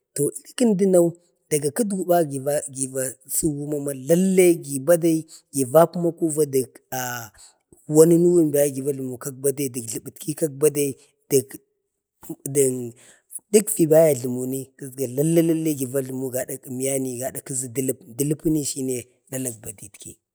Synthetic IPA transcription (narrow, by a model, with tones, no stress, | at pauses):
to˨i˦i˦ki˦ndi˦na˦u˦ | d̥a˨ɡa˨ku˦dɡu˨ba˦ɡi˨a˦ɡi˨va˨ | su˦wu˦ma˦ma˦la˦lːe˦ɡi˨ba˦da˦i˦ɡi˨va˦ku˦ma˦ku˦va˦di˨k | a˨ | wa˦ni˦nu˦wu˦mba˦ja˦ɡi˨va˦ɬu˨mu˨ka˦k̚ba˦da˦i˨di˨kɮi˨bi˨tki˦ka˦k̚ba˦da˦i˦ | d̥i˨k | di˨n | di˦kvi˨ba˦ja˨ɮu˨mu˨ni˦ki˦zɡa˨la˦lːa˦la˦lːe˦ɡi˨va˦ɮu˨mu˦ɡa˨da˨ki˨mi˦ja˦ni˦˨ɡa˨da˨ki˦zi˨di˦lpdi˦lpi˦ni˦ʃi˦ne˨ | la˦la˨k̚ba˨di˨tkḭ˨